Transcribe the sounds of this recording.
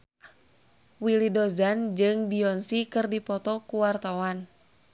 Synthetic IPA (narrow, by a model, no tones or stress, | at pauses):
wilidɔzand͡ʒɨŋbiɔnsikɨrdipɔt̪ɔkuwart̪awan